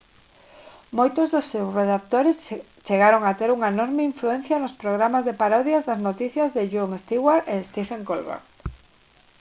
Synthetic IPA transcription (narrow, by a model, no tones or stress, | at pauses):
mojt̪ʊzðʊsːewsreðak̚t̪oɾes | t͡ʃeɣaɾoŋat̪eɾuŋɐenɔɾmɪiɱfluɛ̃n̟θjɐnospɾoɣ̞ɾamazðepaɾɔðjazðɐznot̪iθjɐzðɪʒuŋest̪iɣwaɾest̪ifeŋkolβa̰ɾ